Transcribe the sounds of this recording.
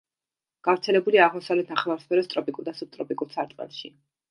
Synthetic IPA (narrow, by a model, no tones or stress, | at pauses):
ɡ̥avɾt̪sʰɛlɛbuliaːʁmɔsavlɛt̪ʰnaχlˠaɾspʰɛɾɔst̪ʼɾɔpʼikʼuɾˠd̪asup̚t̪ʼɾɔpʼikʼuɾsaɾt̪ʼɛ̰lˠʃḭ